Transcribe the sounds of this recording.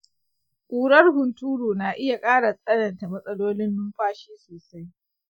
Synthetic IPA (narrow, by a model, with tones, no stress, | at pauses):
kʷʼuː˨ɽɐ˦rhʊ˨ntuː˦ɽuː˨naː˨ʔɪ˦ja˨kʼaː˦ɽa˨sʼɐ˦nɐ˨nta˨mɐ˦sʼɐ˦loː˦lɪ˦nːʊ˦mɸaː˦ʃiː˦soː˨sa˦j